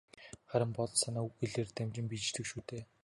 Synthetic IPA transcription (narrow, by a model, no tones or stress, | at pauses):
χæɾʲɪ̆mpɔɮsanaːuxeɮeːrt̪æmt͡ɕɪ̆mpit͡ɕɮɘ̆kʃuːt̪eː